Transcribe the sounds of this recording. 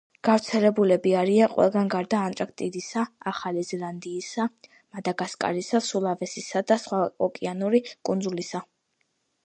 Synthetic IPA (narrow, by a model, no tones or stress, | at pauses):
ɡ̥aft̪sʰɛlɛbulɛbiaɾianqʼwɛ̰lˠɡanɡaɾd̪aːnt̪ʼɾakʰt̪ʼid̪isaaχalizɛlˠand̪iːsa | mad̪aɡaskʼa̰ɾisasulˠavɛsisad̪asχwaɔkʼianuɾikʼund̪zulisa